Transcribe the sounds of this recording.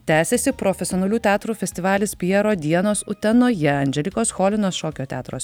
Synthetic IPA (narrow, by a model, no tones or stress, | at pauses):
t̪ʲæːsʲɛsʲɪpɾɔfʲɛsʲɪoːnɐlʲuːt̪ʲæːt̪ɾuːfʲɛsʲt̪ʲɪʋɑːlʲɪspʲɪjɛɾoːd̪ʲiɛnoːsʊt̪ʲɛnoːjɛɐnʲd͡ʒʲɛlʲɪkoːsxoːlʲɪnoːsʃoːkʲoːt̪ʲæ̰ːt̪ɾoːs